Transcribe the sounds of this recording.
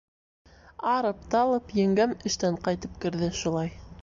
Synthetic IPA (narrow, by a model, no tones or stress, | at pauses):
ɑɾɤpt̪ɑlˠɤpjɘ̆ŋɡæmɘ̆ʃt̪æɴqɑjt̪ɤp̚kɘ̆ɾðɘʃulˠɑj